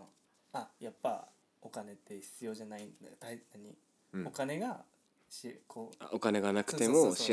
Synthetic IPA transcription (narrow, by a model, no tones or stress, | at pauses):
ajapːa̰ | o̞kane̞t̪ʰːe̞çi̥t͡sɨjo̞ʑanaĩnd̪at̪ainaɲ̟i | o̞kane̞ɡa | ɕikʰoa̰okane̞ɡanakɯ̟t̪e̞moɕi